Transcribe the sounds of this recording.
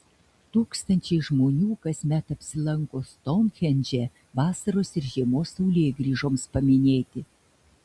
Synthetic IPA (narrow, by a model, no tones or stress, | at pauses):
t̪uːkst̪ɐnʲt͡ʃʲɛɪʒmoːnʲuːkɐsʲmʲɛt̪ɐpʲsʲɪlˠɐŋkoːst̪ɔnxʲɛnʲd͡ʒʲɛ | ʋɑːsɐɾoːsɪɾʒʲiɛmoːsːɐʊlʲeːjɡɾʲiːʒoːmspɐmʲɪnʲeːt̪ʲɪ